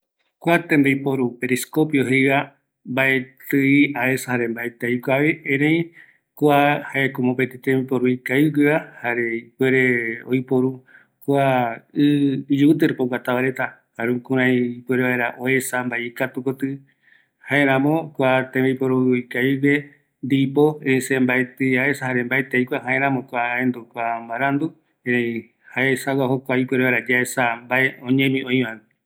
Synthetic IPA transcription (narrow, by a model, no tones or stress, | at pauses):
kʷat̪ẽnd̪ejpoɾupeɾiskopjoɦeβa | mbaet̪ɨiaesahaɾe̞mbaet̪eikʷaβeẽɾẽj̃ | kʷahaekomopet̪it̪ẽmipoɾuikaiɡeβahaɾe̞ipweɾeo̰jpoɾu | kʷaɨd͡ʒut̪̬ɨɾpoɡʷat̪aβaɾe̞t̪akaɾũkũɾ̃ãj̃ipwe̞ɾeβaeɾaʔoe̞sambaeikat̪ukot̪ɨ | haeɾ̃ãmõkʷat̪ẽβeipoɾuikaiwe | nd̪ipoẽsẽmbaet̪ɨaesahaɾe̞mbaet̪eijkʷaɦãẽɾãmõkʷaẽnd̪ukʷambaɾand̪u | eɾãĩ | haesawaɦokʷaipweɾeβaɾad͡ʒaesambaeõɲẽmĩõĩβãɨ